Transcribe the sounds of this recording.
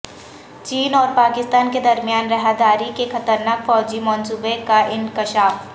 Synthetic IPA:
t͡ʃiːnɔːɾpaːkɪst̪aːnked̪ɐɾmijaːnɾɛɦad̪aːɾikexɐt̪əɾnaːkfɔːd͡ʒimɔːnsuːbekaʔɪ̃ŋkɪʃaːf

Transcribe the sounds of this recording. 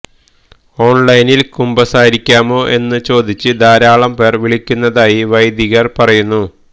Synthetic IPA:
o̞ːɳlɐjnilkumbɐsaːjiɾikʲːaːmo̞ːʔe̞nːɨt͡ɕo̞ːd̪it͡ɕːɨd̪ʱaːɾaːɭɐmpe̞ːrʋiɭikʲːunːɐðaːjiʋɐjd̪iɣɐrpɐrɐjunːu

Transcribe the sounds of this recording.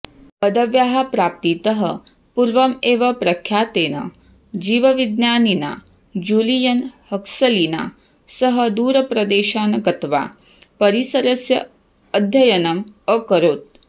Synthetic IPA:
bɐd̪ɐʋjaːɦɐpɾaːp̚t̪it̪ɐɦɐ̰ | puɾʋɐmeːʋɐpɾɐkʰjaːt̪eːnɐ̰ | d͡ʒiːʋɐʋid̪njaːnina̰ː | d͡ʒuːlijɐnhɐksɐlina̰ː | sɐɦɐd̪uːɾɐpɾɐd̪eːʃaːnɐɡɐt̪ʋa̰ː | pɐɾisɐɾɐsjɐ̰ː | d̪ʱjɐjɐnɐməkɐɾoːt̪̚

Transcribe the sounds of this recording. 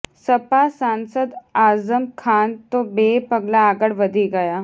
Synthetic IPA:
sɐpasaːnsəd̪aːzəmkʰaːnt̪obeːpɐɡlaːɡəɽʋɐd̪ʱiɡɐjaː

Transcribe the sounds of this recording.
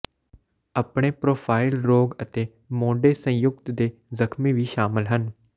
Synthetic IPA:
əpɽeːpɾoːpʰaːɪlɾoːɡət̪eː | mõːɖeːsə̃jʊk̚t̪d̪eːzəkʰmiːʋiːʃaːmɪlɦən

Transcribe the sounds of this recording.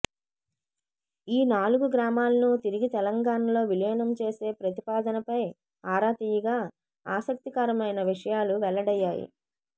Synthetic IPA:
iːnaːluɡuɡɾaːmaːlɐnut̪iɾiɡit̪ɛlɐŋɡaːɳɐlo̞ːʋilɐnɐmt͡ʃe̞ːse̞ːpɾɐt̪ipaːd̪ɐnɐpɐj | aːɾaːt̪iːjɐɡaː | aːsɐk̚t̪ikaːɾɐmɐjnɐʋiʂɐjaːluʋɛɭːɐɽɐjːaːjḭ

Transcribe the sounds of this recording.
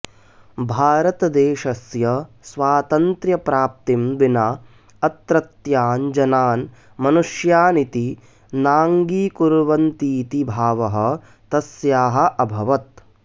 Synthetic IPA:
bʱaːɾɐt̪ɐd̪eːʃɐsjɐsʋaːt̪ɐnt̪ɾjɐpɾaːp̚t̪imʋinaː | ɐt̪ɾɐt̪jaːnd͡ʒɐnaːn | mɐnuʃjaːnit̪i | naːŋɡiːkuɾʋɐnt̪iːt̪ibʱaːʋɐɦɐ̆ | t̪ɐsjaːɦɐ̆ʔɐbʱɐʋɐt̪̚

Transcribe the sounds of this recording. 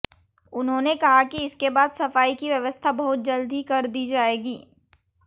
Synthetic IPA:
ʊnɦõːnekɐɦakiɪskebaːd̪sɐfaːikiʋjɐʋəst̪ʰabɐɦʊt̪̚d͡ʒɐld̪ʱikɐɾd̪iːd͡ʒaːeːɡiː

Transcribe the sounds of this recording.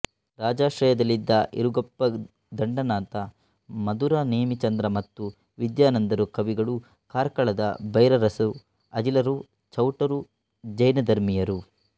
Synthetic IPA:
ɾaːd͡ʒaːʃɾɐjɐd̪ɐlːid̪ːɐʔḭɾuɡɐpːɐ | d̪ɐɳɖɐnaːnt̪ɐ | mɐd̪uɾaneːmit͡ʃɐnd̪ɾɐmɐt̪ːu | ʋid̪jaːnɐnd̪ɐɾukɐʋiɡɐɭu | kaːɾkɐɭɐd̪ɐbɐjɾɐɾɐsu | ɐd͡ʒilɐɾu | t͡ʃɐwʈɐɾu | d͡ʒɐjnɐd̪ɐɾmijɐɾu

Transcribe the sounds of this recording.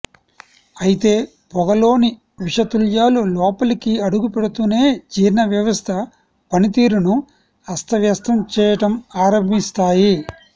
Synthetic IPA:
ɐjit̪e̞ː | pɔɡɐlo̞ːni | ʋiʂɐt̪uljaːlulɔːpɐlikiɐɽuɡupɛɽut̪une̞ːd͡ʒiːɾnɐʋjɐʋɐst̪ʰɐ | pɐnit̪iːɾunu | ɐst̪ʰɐʋjɐst̪ʰɐmt͡ʃɛːjɐʈɐmaːɾɐmbʱist̪aːji

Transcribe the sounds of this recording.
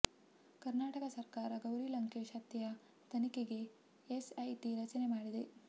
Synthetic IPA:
kɐɾnaːʈɐkɐsɐɾkaːɾɐɡɐwɾilɐŋkeːʃɐt̪jɐjɐ | t̪ɐnikeɡe | esɐjʈiɾɐt͡ʃɐne̞maːɽid̪e̞

